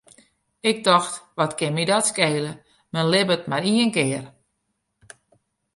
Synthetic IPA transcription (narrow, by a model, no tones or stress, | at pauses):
ɪk̚dɔxtʋɔtkɪnmidɔtskeːlə | mɛnlɪbətmaɾiənkɪər